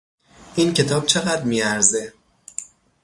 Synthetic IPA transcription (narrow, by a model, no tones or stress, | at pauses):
ʔiːncʰe̞t̪ʰɒːb̥̚t͡ʃʰe̞ɣæd̪ɾmiːæɾze